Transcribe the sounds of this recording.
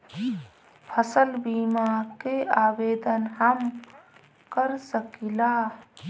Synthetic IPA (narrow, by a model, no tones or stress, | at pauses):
pʰəsəlbimakeabeːd̪ənɦəm | kəɾsəkila